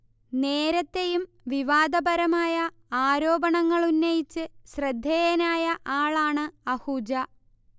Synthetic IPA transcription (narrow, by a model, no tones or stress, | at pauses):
neːɾɐt̪ːe̞jum | ʋiʋaːd̪ɐbɐɾɐmaːjɐ | aːɾo̞ːbɐɳɐŋːɐɭunːɐjit͡ɕːɨɕrɐd̪ʱːejɐnaːjɐʔaːɭaːɳɨɐhud͡ʑɐ